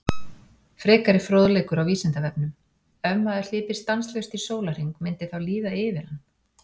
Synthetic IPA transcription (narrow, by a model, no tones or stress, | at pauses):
fɾɛːkaɾɪfɾoːðlejkʏɾawviːsɪnt̪avɛpnʏm | œmːaðɪ̥l̥ɪːpɪ̥st̪anslœɥst̪isoːwlar̥iŋkmɪnt̪ɪθawliːðaɪːvɪɾ̥hanː